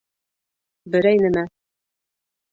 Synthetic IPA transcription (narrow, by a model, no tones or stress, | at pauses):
bɘ̆ɾæjnɘmæ